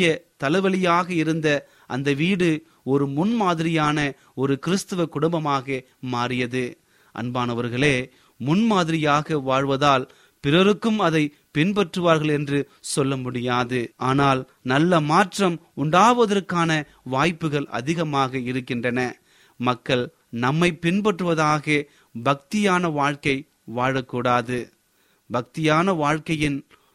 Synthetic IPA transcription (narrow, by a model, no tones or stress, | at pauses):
jɐt̪ɐlɐɪʋɐɭɪjaːɣɐɪɾɯnd̪ɐ | ʔɐ̰nd̪ɐʋiːɽɯ | ɔɾɯmʊnmaːðɪɾɪjaːnɐ | ɔɾɯkɪɾɯst̪ɯʋɐkʊɽʊmbɐmaːɣɐ | maːɾɪjɐðɯ | ʔɐ̰nbaːnɐʋɐɾɣɐɭeː | mʊnmaːðɪɾɪjaːɣɐʋaːɻʋɐðaːl | pɪɾɐɾɯkːɯmɐðɐɪ | pɪnpɐʈrɯʋaːɾɣɐɭɛndrɯ | sɔlːɐmʊɽɪjaːðɯʔaːnaːl | nɐlːɐmaːʈrɐmʊɳɖaːʋɐðɐɾkaːnɐ | ʋaːjpːɯɣɐɭɐ̰ðɪɣɐmaːɣɐɪɾɯkːɪndrɐnɐ | mɐkːɐɭ | nɐmːɐɪpɪnpɐʈrɯʋɐðaːɣɐ | bɐk̚t̪ɪjaːnɐʋaːɻkɐɪ | ʋaːɻɐkːuːɽaːðɯ | bɐk̚t̪ɪjaːnɐʋaːɻkɐjɪn